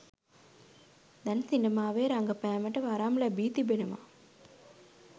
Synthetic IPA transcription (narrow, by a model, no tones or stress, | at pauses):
d̪ɐnsinɖɐmaːʋeːɾaŋɡɐpɛːmɐʈːɐʋaːɾaːmlɐbiːt̪ibenɐma̰ː